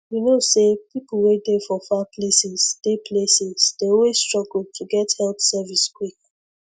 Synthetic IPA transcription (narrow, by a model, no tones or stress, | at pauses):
junosepipl̩wet̚defɔfaplesɛz̥d̥epʰlesɛz̥d̥eɔlwesstɹ̥ɔɡl̩tʰuɡɛthɛltsɛviskwik̚